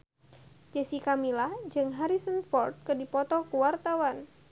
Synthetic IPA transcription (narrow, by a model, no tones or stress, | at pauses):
d͡ʒɛsikamilahd͡ʒɨŋɦaɾisənfɔrt̪̚kədipɔt̪ɔkuwart̪awan